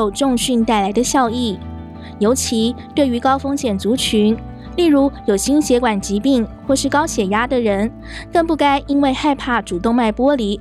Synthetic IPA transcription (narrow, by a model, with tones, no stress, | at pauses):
o˥˧˩ʊʈ͡ʂʊ˥˧ŋɕy˥˧nt̪a˥˩ɪla˧˥ɪd̪ə˧ɕjɑ˥˧ʊi˥˩ | jo˧˥ʊt͡ɕʰi˧˥t̪we˥˩ɪy˧˥kɑ˥ʊfɤ˥ŋɕjɛ˨˩nt͡su˧˥t͡ɕʰy˧˥n | li˥˩ɻu˧˥jo˨˩ʊɕi˥nɕjɛ˧˥kwa˨˩nt͡ɕi˧˥pi˥˩˧ŋxwɔ˥˧ʂɻ̩˥˩kɑ˥ʊɕjɛ˨˩ja˥d̪ə˨ɻə˧˥n | kɤ˥˧ŋpu˥˩ka˥ɪʔi˥nwe˥˧ɪxa˥˧ɪpʰa˥˩ʈ͡ʂu˨˩t̪ʊ˥˧ŋma˥˩ɪpwɔ˥li˧˩˥